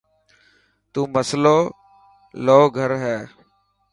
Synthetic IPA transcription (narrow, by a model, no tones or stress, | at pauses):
t̪ũːməsloː | loːɡʱəɾɦɛː